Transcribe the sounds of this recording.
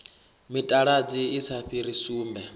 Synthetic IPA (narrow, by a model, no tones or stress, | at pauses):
mitʼaɺad͡ziːsʰaɸiɾisuːmbɛ